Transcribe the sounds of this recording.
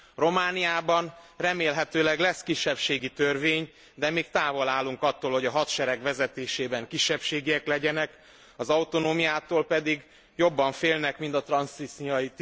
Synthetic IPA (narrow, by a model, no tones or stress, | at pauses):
ro̞maːnijaːbɒn | rɛmeːlɦɛt̪øːlɛɡlɛskiʃːɛpʃeːɡit̪ørveːɲ | d̪ɛmeːkt̪aːvo̞laːluŋkɒt̪ːoːlho̞ɟɒɦɒt̪ʃɛɾɛɡʋɛzɛt̪eːʃeːbɛŋkiʃːɛpʃeːɡiɛklɛɟɛnɛk | ɒzɒwt̪o̞noːmijaːt̪oːlpɛd̪iɡ | jo̞bːɒɱfeːlnɛkmint̪ɒt̪rɒnsisiɒjit̪